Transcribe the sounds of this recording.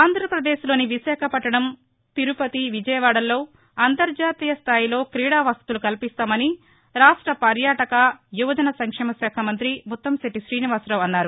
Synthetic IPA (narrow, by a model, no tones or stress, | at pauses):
aːnd̪ʱɾɐpɾɐd̪eːʃlo̞ːniʋiʃaːkʰɐpɐʈːɐɽɐm | t̪iɾupɐt̪iʋid͡ʒɐjɐʋaːɽɐlːo̞ː | ɐnt̪ɐɾd͡ʒaːt̪iːjɐst̪ʰaːjilo̞ːkɾiːɽaːʋɐst̪t̪ulukɐlpist̪aːmɐni | ɾaːʂʈɾɐpɐɾjaːʈɐkɐjuʋɐd͡ʒ̪ɐnɐsɐŋkʂɛːmɐsɛːkʰɐmɐnt̪ɾimut̪ːɐmsɐʈiʃɾiːniʋaːsɾɐʋɐnːaːɾu